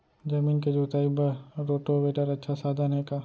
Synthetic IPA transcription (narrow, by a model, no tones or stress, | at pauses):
d͡ʒɐmiːnked͡ʒuːt̪aːibɐɾoːʈoʋeːʈəɾɐtːʃʰasaːd̪ʱanɦekaː